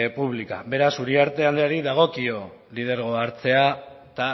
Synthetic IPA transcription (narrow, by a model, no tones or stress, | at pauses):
puβ̞lika̰be̞ɾasuɾiaɾt̪e̞ald̪eaɾiðaɣ̞o̞kio̞ | lið̞e̞ɾɣ̞o̞aɾt͡se̞a | t̪a